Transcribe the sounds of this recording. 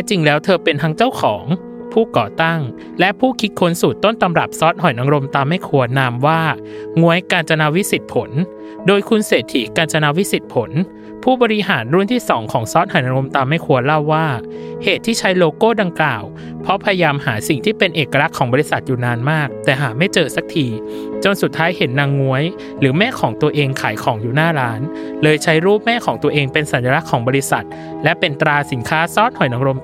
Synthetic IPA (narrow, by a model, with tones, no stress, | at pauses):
ɛ˧t͡ɕi˧ŋlɛː˦˥wt̪ʰɤː˧pe˧nt̪ʰaː˧˥ŋt͡ɕa˥˩wkʰɔː˩˦ŋ | pʰuː˥˩kɔː˨˩t̪a˥˩ŋ | lɛ˦˥ʔpʰuː˥˩kʰi˦˥t̪̚kʰo˦˥nsu˨˩t̪ːo˥˩nt̪a˧mɾa˨˩p̚sɔ˦˥t̪̚hɔ˨˩jʔa˧ɾo˧mt̪aː˧mːa˥˩jkʰu˧ɐnaː˧mwaː˥˩ | ŋu˧˥əjkaː˧nt͡ɕa˧na˧˥wi˦˥si˨˩t̪̚pʰo˩˦n | doː˧jkʰu˧nseː˨˩t̪ʰːi˩˦kaː˧nt͡ɕa˧na˧˥wi˦˥si˨˩t̪̚pʰo˩˦n | pʰuː˥˩bɔː˧ɾi˦˥ɦaː˩˦nɾu˥˩nt̪ʰiː˥˩sɔː˩˦ŋkʰɔː˩˦ŋsɔː˦˥t̪̚hɔ˨˩jʔa˧ɾo˧mt̪aː˧mːa˥˩jkʰu˧ɐla˥˩wːaː˥˩heː˨˩t̪ʰːiː˥˩t͡ɕʰa˦˥jloː˧koː˥˩da˧ŋklaː˨˩w | pʰɔ˦˥pʰa˧ja˧jaː˧mhaː˩˦si˨˩ŋt̪ʰiː˥˩pe˧nʔeː˨˩kːa˧ɾa˦˥kʰːɔː˩˦mbɔː˧ɾi˧˥sa˨˩t̪̚juː˨˩naː˧nmaː˥˩k̚t̪ɛː˨˩ɦaː˩˦ma˥˩jt͡ɕɤː˧sa˨˦˥k̚t̪ʰiː˧ | t͡ɕo˧nsu˨˩t̪ʰːaː˦˥jhe˩˦nːaː˧ŋːu˦˥əj | ɾɯː˩˦mɛː˥˩kʰɔː˩˦ŋt̪u˧ɐʔeː˧ŋkʰaː˩˦jkʰɔː˩˦ŋjuː˨˩naː˥˩ɾaː˦˥n | lɤː˧jt͡ɕʰa˦˥jɾuː˥˩p̚mɛː˥˩kʰɔː˩˦ŋt̪u˧ɐəʔeː˧ŋpe˧nsa˨˩˦njaː˧la˦˥kʰːɔː˩˦ŋbɔː˧ɾi˦˥sa˨˩t̪̚ | lɛ˦˥pe˧nt̪ɾaː˧si˩˦nkʰaː˦˥sɔː˦˥t̪̚hɔ˨˩jna˧ŋɾo˧m